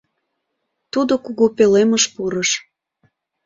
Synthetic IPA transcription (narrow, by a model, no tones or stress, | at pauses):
t̪ud̪okuɣopeleməʃpuɾəʃ